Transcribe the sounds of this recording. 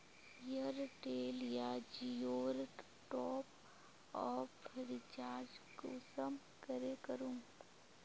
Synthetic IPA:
jəɾʈeːljad͡ʒioːɾ | ʈɔːp̚ | ɔːfpʰɪɾɪt͡ʃaːɾd͡ʒkʊsəm | kəɾekəɾũː

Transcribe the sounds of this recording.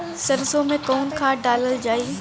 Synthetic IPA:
sɐɾzomẽkɔːnkʰãːɖaːləld͡ʒaːiː

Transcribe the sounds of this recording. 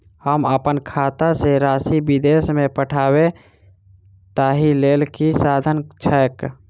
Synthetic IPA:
həməpənkʰat̪aseɾasibid̪esmẽpəʈʰabe | t̪aɦilelkisad̪ʱənt͡ʃʰək

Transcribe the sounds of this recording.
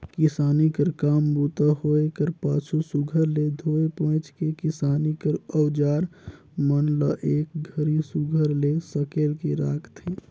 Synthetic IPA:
kɪsaːnikəɾkaːmbut̪aɦoekəɾpaːt͡ʃʰusuɡʱəɾled̪ʱoːepõːt͡ʃkekɪsaːnikəɾəwd͡ʒaːɾ | mənləʔeːk̚ɡʱəɾisuɡʱəɾlesəkelkeɾaːkʰt̪ʰeː

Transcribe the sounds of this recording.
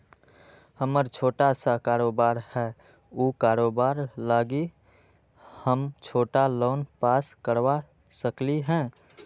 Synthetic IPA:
həməɾt͡ʃʰoːʈasakaːɾoːbaːɾhɛː | ukaːɾoːbaːɾlaːɡi | həmt͡ʃʰoːʈaloːnpaːskəɾwa | səkliɦɛ̃ː

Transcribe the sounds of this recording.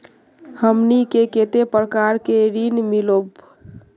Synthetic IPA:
həmnikeket̪epɾəkaɾkeɾinmilob

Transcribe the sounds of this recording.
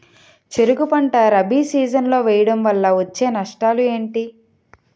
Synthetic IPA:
t͡ʃeɾuɡupɐɳʈɐɾɐbiːsiːd͡ʒɐnlo̞ːʋɛːjɐɽɐmʋɐlːɐʋot͡ʃːe̞ːnɐʂʈaːlue̞ːɳʈi

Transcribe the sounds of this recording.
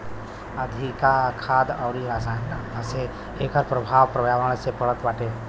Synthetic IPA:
əd̪ʱikakʰaːd̪əwɾiɾaːsãase | eːkəɾpɾəbʱaːwpɾəbjaːʋəɽ̃sepəɭət̪ʋaːʈe

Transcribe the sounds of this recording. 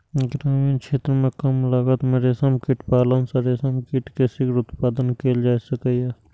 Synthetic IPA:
ɡɾaːmiːnkt͡ʃʰeːt̪ɾəmẽkɐmlaːɡət̪mẽɾeːsəmkɪʈpaːlənsɐɾeːsəmkɪʈkesɪkɾʊt̪paːd̪ənkeːld͡ʒaːsɐkəjɛː

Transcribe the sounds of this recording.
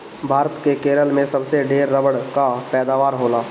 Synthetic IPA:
bʱaːɾət̪kekeːɾəlmẽsɐbseɖeːɾːəbəɽkapɛːd̪aːʋaːɾɦoːlaː

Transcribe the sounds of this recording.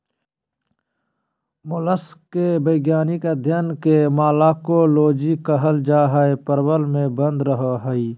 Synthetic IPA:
mʊləskebəjɡjaːnikɐd̪ʱjənkemaːlaːkoloːd͡ʒikəɦəld͡ʒaːɦaepəɾwəlmẽbə̃nd̪ɾəɦoɦəiː

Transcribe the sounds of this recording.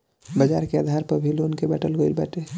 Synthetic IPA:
bɐd͡ʒaːɾkeaːd̪ʱaːɾpɐɾbʱiloːnkebɛʈəlɡoɪlbɛ̰ːʈeː

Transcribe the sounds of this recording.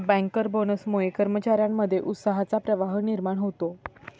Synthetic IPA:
bə̃ŋkəɾbonəsmoekəɾmət͡ɕaɾjamːəd̪ʱːjeʔut̪səɦat͡sapɾəʋaɦəniɾmaɽɦot̪o

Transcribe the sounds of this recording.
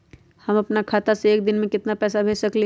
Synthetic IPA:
hɐmɐpnakʰaːt̪aseːk̚d̪ɪnmẽkɪt̪napɛːsabʱeːʃsɐkle

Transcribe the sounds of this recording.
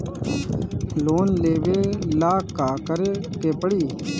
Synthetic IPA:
loːnleːʋeːlaːkːaːkəɾeː | keːpəɽiː

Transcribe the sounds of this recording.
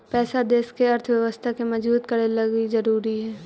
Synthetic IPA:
pɛːsad̪eːskeɐɾt̪ʰwjəʋəst̪ʰakemɐd͡ʒbuːt̪kɐɽelɐɡizɐɾuːɾiɦɛː

